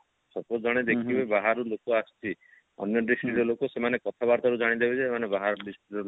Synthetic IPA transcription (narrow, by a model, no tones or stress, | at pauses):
sɔpod͡ʒɔɽ̃ed̪ekʰibebaɦaɾulokoast͡ʃʰi | ɔ̰njɔd̪ɾisʈiɾɔlokosemanekɔt̪ʰabaɾt̪aɾud͡ʒaɽ̃id̪ebid͡ʒʰisemanebaɦaɾɔdɾisʈiɾɔ